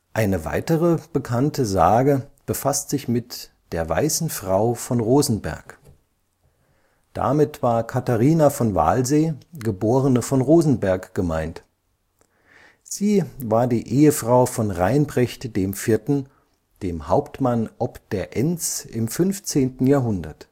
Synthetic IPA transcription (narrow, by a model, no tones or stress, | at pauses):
ʔaɪnəva̰ɪtəʁəb̥əkʰantʰəza̰ːɡəb̥əfastz̥ɪçmɪtd̥eːɐva̰ɪsn̩fʁ̥aʊfɔnʁoːzn̩bɛ̰ɐk | d̥a̰mɪtv̥aːɐkʰataʁiːnafɔnva̰ːlzeːɡəboːʁənəfɔnʁoːzn̩bɛɐkɡ̥əma̰ɪnt | z̥iːvaːɐdiːʔeːəfʁ̥aʊfɔnʁaɪnbʁɛçtd̥eːmfɪɐtn̩ | d̥eːmhaʊptmanʔɔpd̥eːɐʔɛnt͡sʔɪmfʏnft͡seːntn̩jaːɐɦʊndɐ̰t